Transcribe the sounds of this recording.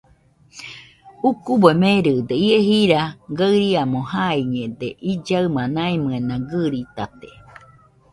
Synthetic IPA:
ukuboemeɾɨd̪eieɦiɾaɡaɨɾiamohaiɲẽd̪eʔid͡ʒaɯmãnaimɨenãɡɨɾit̪at̪e̥

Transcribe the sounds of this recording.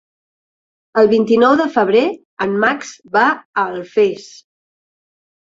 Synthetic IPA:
əlˠβint̪inɔwðəfəβ̞ɾe | əmmakz̥βaəlˠfes

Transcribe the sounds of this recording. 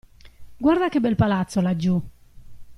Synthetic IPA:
ɡwaɾd̪akebːɛlpalat̪sːolad͡ʒːu

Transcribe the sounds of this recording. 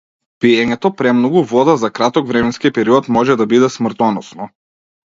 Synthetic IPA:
piɛɲɛt̪ɔpɾɛmnɔɡuvɔd̪azakɾat̪ɔkvɾɛmɛnskipɛɾiɔt̪mɔʒɛd̪abid̪ɛsmrt̪ɔnɔsnɔ

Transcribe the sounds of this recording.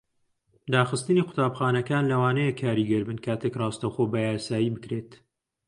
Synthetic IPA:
d̪aːxɨst̪ɨniqʰʊ̥t̪ʰaːbxaːnɐkaːnlɐwaːnɐjekʰaːɾiɡɐɾbɨnkʰaːt̪ʰekrɑːst̪ɐwxoːbɐjaːsaːjibɨkɾeːt̪

